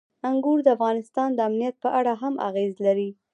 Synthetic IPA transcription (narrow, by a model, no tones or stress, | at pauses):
aŋɡuɾd̪əafɣɑnɪst̪ɑnd̪əamnijat̪̚pəʔaɽaɦamʔa̰ɣezlaɾi